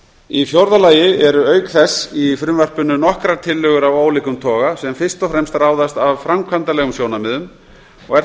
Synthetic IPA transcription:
ifjowɾðalaːjɪɛɾʏœːɥkθɛsːifɾʏmvɛr̥pʏnʏnɔhkɾaɾt̪ʰɪlːœɣʏɾavoːwlɪkʏmt̪ʰɔːɣasɛmfɪr̥st̪ɔfɾɛmst̪raːwðast̪avfɾamkʰant̪alɛɣʏmsjoːwnamɪðʏm | ɔɣɛ̥

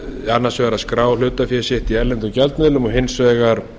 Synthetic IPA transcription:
anːasvɛɣaɾaðskɾaːwl̥ʏːt̪afjɛsɪht̪iɛɾlɛnt̪ʏcalt̪nɛðlʏmɔɦɪnsvɛːɣaɾ

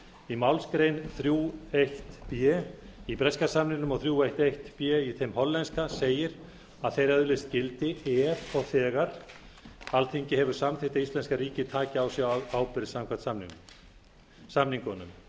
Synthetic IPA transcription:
imawlskɾejnθɾjuːejht̪pjɛipɾɛskasamnɪnʏmɔɣθɾjuːejht̪ejht̪pjɛiθejmhɔllːɛnskaseːjɪɾ | aðθejɾɛðʏlɪst̪cɪlt̪ɪɛːɾɔɣθɛːɣaɾ̥ | alt̪ʰeɲcɪhɛvʏɾ̥samθɪht̪aist̪lɛnskaɾiːcɪt̪ʰaːcɪawsɛɣawpɪɾsamkʰvḁt̪samniŋn | samniŋkɔnʏ̰m

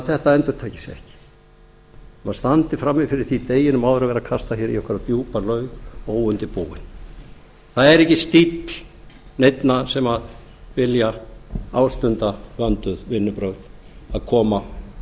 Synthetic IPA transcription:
θɛht̪aɛnt̪ʏɾ̥t̪ʰaːjcɪ̥sɛ̰hcɪ̥ | maðst̪ant̪ɪ̥fɾamːɪfɪɾɪɾ̥θit̪eːjɪnʏmawðʏɾavɛɾakʰast̪açɛɾḭɔkvʏɾat̪juːpalœːɥɣoːwʏnt̪ɪpuːwɪ̰n | θaðɛɾɛhcɪst̪it̪lnejt̪nasɛmað | vɪljaaːwst̪ʏnt̪avant̪ʏðvɪnːʏpɾœɥðaðkʰɔːma

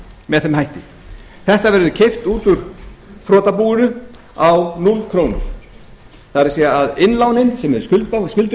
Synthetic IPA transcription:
mɛðθɛmhajht̪ɪ | θɛht̪avɛɾðʏcʰejft̪uːt̪ʏɾ̥θɾɔːt̪apuːɣʏɾʏ | awnulkʰɾoːwnʏ̰ɾ̥ | θaðɛɾsiːɣaaðɪnlaːwnɪnsɛmɛɾʏskʏlaskʏlt̪

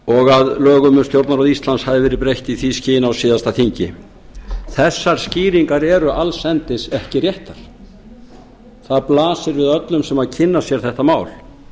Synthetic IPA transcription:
ɔɣaðlœːɣʏmʏnst̪jowɾt̪naɾaðist̪lanshavðɪvɛːɾɪpɾejht̪iθiscɪːjɪnawsiːðast̪aθiɲcɪ | θɛsːaɾ̥sciːɾiŋkaɾɛɾʏʔalsɛnt̪ɪsɛhcɪrjɛht̪aɾ̥ | θaðplaːsɪɾvɪðœt̪lʏmsɛmaðcʰɪnːasjɛɾ̥θɛht̪amaːwl

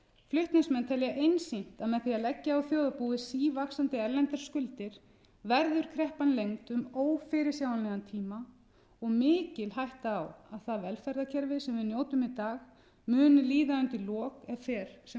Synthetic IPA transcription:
flʏht̪nɪsmɛnt̪ʰɛljaʔejnsin̥t̪aðmɛðθiaðlɛcːaawθjoːwðʏpuːðɪsiːvaksant̪ɪɛɾlɛnt̪ɛɾ̥skʏlt̪ɪɾ̥ | vɛɾðʏɾ̥kʰɾɛhpanlejŋt̪ʏmoːwfɪɾɪɾ̥sjaːwanɛɣant̪ʰiːma | ɔɣmɪːcɪlɦajht̪aːwaðθaðvɛlfɛɾðacʰɛɾvɪsɛmvɪðnjoːwt̪ʏmit̪aːx | mʏːnʏliːðaʏnt̪ɪlɔːkɛðfɛːɾ̥sɛ

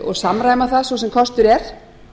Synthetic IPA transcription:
ɔ̰ɣsamɾaːjmaθaðsvɔsɛmkʰɔst̪ʏɾɛɾ̥

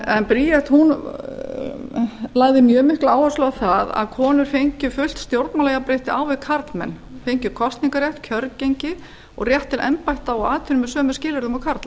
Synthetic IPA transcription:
ɛnpɾiːjɛht̪hun | laːɣðɪmjœːmɪhklaaːwhaslœɣaθaða̰ðkʰɔːnʏɾ̥fejɲcʏfʏl̥t̪st̪jowɾt̪nalɛjɣapɾejht̪ɪʔaːwvɪðkʰaɾt̪lmɛ̰nːfejɲcʏkʰɔst̪niŋkaɾjɛht̪cʰœɾcejɲcɪ | ɔ̰ɣrjɛht̪ːɪlʔɛ̰mpajht̪awɔaːt̪ʰʏɾʏmɛsœːmʏscɪːlɪɾðʏmakʰaɾt̪la

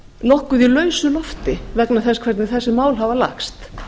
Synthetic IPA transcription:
nɔhkʏðilœːɥsʏlɔft̪ɪvɛknaθɛskʰvɛɾt̪nɪθɛsːɪmaːwlɦavala̰kst̪

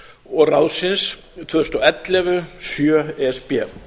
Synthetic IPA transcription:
ɔɣrawsɪns | t̪ʰvœst̪ɔɛt̪lɛvʏsjœɛɛspɛ

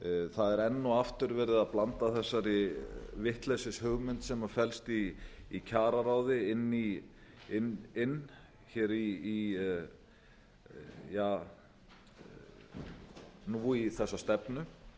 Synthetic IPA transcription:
θaðɛɾɛnːuaft̪ʏɾvɛːɾɪðaðplant̪aθɛsːaɾɪvɪht̪lɛsɪshʏɣmʏnt̪sɛmḁfɛlst̪iːcʰaːɾaɾawðɪɪnːiɪnɪnː | çɛːɾiː | jaː | nuːiθɛsːast̪ɛpnʏ

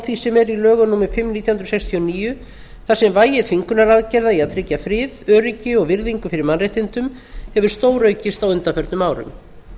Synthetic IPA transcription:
awθisɛmɛɾilœːɣʏnuːmɪfɪmniːt̪jahnɾsɛkst̪ʰiɔniːjʏ | θasɛmvaːjɪtfiŋkʏnaɾaðcɛɾðaiaðt̪ʰɾɪcːafɾɪːðœːɾɪcɪɔɣvɪɾðiŋkʏfɪɾɪɾmanrejht̪ɪnt̪ʏm | hɛvʏɾ̥st̪oːwɾœɥcɪst̪awʏnt̪afœɾt̪nʏmaːwɾʏ̰m

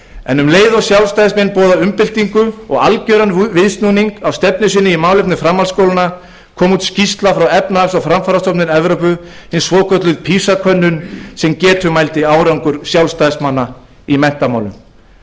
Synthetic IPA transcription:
ɛ̰nʏmleːjðasjawlst̪ajðsmɛnpɔːðaʏmpɪl̥t̪iŋkʏɔ̰ɣalcœːɾanvɪðst̪nuniŋkawst̪ɛp̚nʏsɪnːɪimaːwlɛhp̪nɪfɾamːalskowlɪna | kʰɔːmuːt̪scist̪lafɾawɛpnaasɔɣfɾamfaːɾast̪ɔpnɪnɛvɾɔpʏ | hɪnsvɔːkʰœt̪lʏðpʰisakʰœnːʏnsɛmcɛːt̪ʰʏmajlt̪ɪaːwɾawŋkʏɾsjawlst̪aðsmanːa | imɛn̥t̪amaːwlʏm

